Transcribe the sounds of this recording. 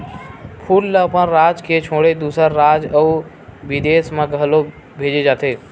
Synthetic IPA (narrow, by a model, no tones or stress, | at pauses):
pʰuːlːəpənɾaːd͡ʒket͡ʃʰoːɽed̪uːsəɾːaːd͡ʒəu | bid̪eːsmẽɡʱəlo | bʱeːd͡ʒed͡ʒaːt̪eː